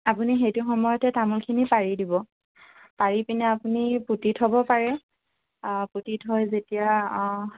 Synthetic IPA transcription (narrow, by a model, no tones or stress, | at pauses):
apunixejtʊxɔmɔjɔtɛtamulkʰinipaɹidibɔ | paɹipinɛapuniputitʰɦɔbɔpaɹɛ | putitɦɔjzetija